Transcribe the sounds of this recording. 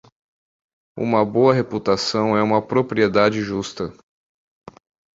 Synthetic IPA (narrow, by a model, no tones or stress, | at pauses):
ṵ̃mɐboɐɦeput̪asɐ̃w̃ɛũmɐpɾopɾied̪ad͡ʒɪʒust̪ɐ